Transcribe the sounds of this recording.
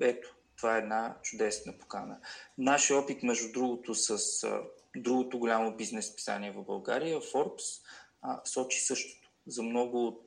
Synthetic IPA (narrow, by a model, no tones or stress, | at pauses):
ɛt̪o̥ | t̪ovaɛɛd̪nat͡ʃʊd̪ɛsnəpo̥kanənaʃɔpit̪mɛʒd̪ud̪ɾuɡot̪osəsd̪ɾuɡot̪ʊɡʊlʲamobiznɛspi̥sa̰niɛvəbɐlˠɡa̰ɾijəfɔɾps | sɔt͡ʃi̥sɤʃt̪o̥t̪o̥zɐmnɔɡʊːt̪̚